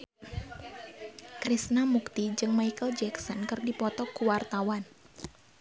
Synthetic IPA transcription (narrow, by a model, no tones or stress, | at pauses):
kɾisnamukt̪id͡ʒɨŋmajkəld͡ʒɛksɔnkɨrdipɔt̪ɔkuwart̪awan